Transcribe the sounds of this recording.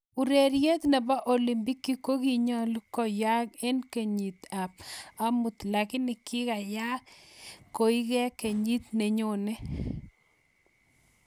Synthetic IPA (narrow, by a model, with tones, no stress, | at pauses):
u˨ɾe˨ɾje˦t̪nɛ˨ba˦ʔo˨li˨mbi˦kːi˦ko˦ki˦ɲɔ˦lkɔ˦ja˦ke˦nke˨ɲi˨t̪a˨pa˦mu˨t̪la˨kɪ˦nɪ˨kɪ˦ka˨ja˦kko˨i˦ɡɛ˦ke˨ɲi˦t̪ne˨ɲo˨nɛ˦